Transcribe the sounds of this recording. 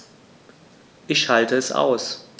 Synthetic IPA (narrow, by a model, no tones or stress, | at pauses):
ʔɪçʃaltəɛsʔa̰ʊs